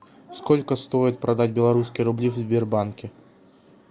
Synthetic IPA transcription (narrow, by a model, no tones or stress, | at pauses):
skɔlʲkəst̪ɔjit̪̚ʲpɾad̪ad͡zʲbʲɛlˠaɾuskʲijɾʊblʲiwzʲbʲɛrbankʲɪ